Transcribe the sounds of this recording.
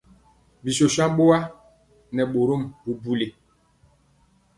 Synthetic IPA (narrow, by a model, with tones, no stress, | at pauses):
bi˨so˨sã˦ɓo˦wa˦ | nɛ˨ɓo˨ɾo˦˨mbu˨bu˦le˨